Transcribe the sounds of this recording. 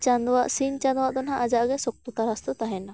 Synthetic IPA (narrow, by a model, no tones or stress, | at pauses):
t͡ʃand̪waʔsint͡ʃand̪waʔd̪ɔnɦaʔad͡ʒaʔɡɛsɔk̚t̪ut̪aɾast̪ɔt̪aɦɛna